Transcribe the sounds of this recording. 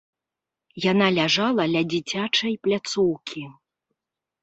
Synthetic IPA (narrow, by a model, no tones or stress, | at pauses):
janalʲaʐalˠɐlʲɐd͡zʲit͡sʲat͡ʂɐjplʲat̪sɔwkʲʰi